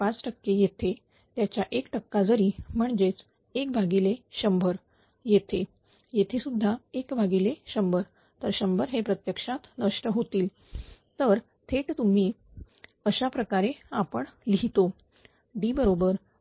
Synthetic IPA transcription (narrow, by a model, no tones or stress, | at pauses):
pat͡sʈəkːejet̪ʰe | t̪jat͡ɕjaʔekʈəkːad͡zəɾiːm̤əɳd͡zet͡s | ekbʱaɡileɕəmbʱəɾ | jet̪ʰe | jet̪ʰesud̪ʱːaekbʱaɡileɕəmbʱəɾ | t̪əɾɕəmbʱəɾɦepɾət̪jəkʂat̪nəʂʈəɦot̪iːl | t̪əɾ | t̪ʰeʈt̪um̤iː | əɕapɾəkaɾeapəɳliɦit̪o | d̪iːbəɾobəɾ